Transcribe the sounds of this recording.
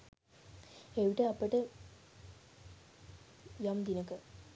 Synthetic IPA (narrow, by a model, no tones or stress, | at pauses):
eʋiʈəɐpːəʈə | jamd̪inəkə